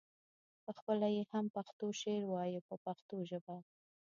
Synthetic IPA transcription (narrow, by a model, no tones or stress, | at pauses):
pəxpəlajehampaxt̪oʃeɾwɑjupəpaxt̪oʒəba